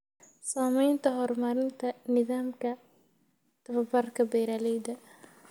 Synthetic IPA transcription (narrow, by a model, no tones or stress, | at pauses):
saːmɛjnt̪ʰɐɦɔːrmɐɾɪnt̪ʰɐnɪðaːmkʰɐ | t̪ʰɐβɐbɐrkʰɐbɛjɾaːlɛjd̪ɐ